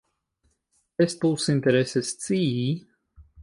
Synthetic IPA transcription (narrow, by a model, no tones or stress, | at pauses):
est̪uwsinʲt̪ʲɛɾɛsɛst̪siːi